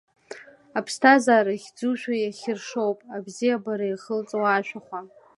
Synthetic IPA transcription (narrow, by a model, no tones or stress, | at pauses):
apʰstʰazaːɾaχʲd͡zuʃᶣajaχʲɪrʂo̞wpʼabzijabaɾaiχəlt͡sʼowaːʃʷᶣaχʷa